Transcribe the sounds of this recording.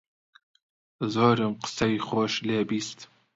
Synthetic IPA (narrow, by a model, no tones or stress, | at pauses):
zoːɾɨmqə̥sɐjiχoːʃleːbiːst̪